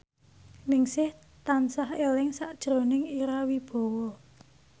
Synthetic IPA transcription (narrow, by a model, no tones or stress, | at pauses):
nɪŋsɪh | t̪ansahelɪŋsaʔd̥ʒ̥ɾo̤nɪŋiɾawib̥ɔ̤wɔ